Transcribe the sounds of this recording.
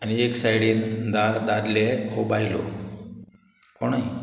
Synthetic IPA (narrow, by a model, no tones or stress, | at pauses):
anieksajɽiːnd̪aɾd̪ad̪leɦobailo̰ | koɳ̃ai